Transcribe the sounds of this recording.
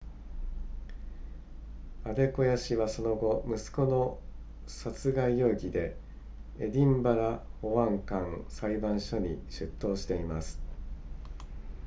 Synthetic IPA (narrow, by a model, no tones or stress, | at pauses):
ad̪e̞ko̞jaɕiβaso̞no̞ɡo̞mɯ̟sɨ̥ko̞no̞ | sat͡sɨɡaijo̞ːɡʲid̪e̞ | ḛd̪ʲĩmbaɾaho̞βãŋkãŋsaibãɰ̃ɕo̞ɲ̟ḭɕɨt̪ːo̞ːɕi̥t̪e̞imasɨ̥